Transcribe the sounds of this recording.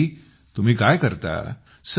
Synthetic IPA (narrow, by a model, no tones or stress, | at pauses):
t̪um̤iːkajkəɾt̪a̰ | s